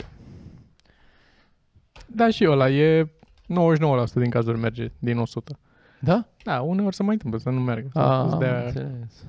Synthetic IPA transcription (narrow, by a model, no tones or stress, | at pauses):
d̪aʃiəlaje̞ | nowoeʃ̬ʲno̞wəlasu̥t̪əd̪iŋkazurʲme̞rd͡ʒe̞d̪ino̞sut̪ə | d̪ad̪̥aune̞o̞rʲsəmajɨnt̪ɨmpləsənumarɡəsuzd̪eaes